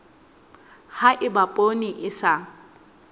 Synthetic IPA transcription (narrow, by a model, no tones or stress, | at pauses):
haʔɪbapʼoniʔɪsa